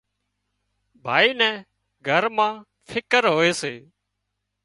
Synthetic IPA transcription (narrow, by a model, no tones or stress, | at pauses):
bʱaːiːnɛ̃ː | ɡʱəɾmãː | fʰɪkəɾɦoːeːseː